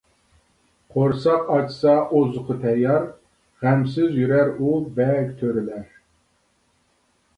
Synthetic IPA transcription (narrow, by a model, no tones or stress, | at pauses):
qʰoɾsɑqɑt͡ʃsɑʔozʊqʰʊt̪ʰɛjɑɾ | ʁæmsɪzjyɾæɾubɛlɡʲt̪ʰøɾɪlæɾ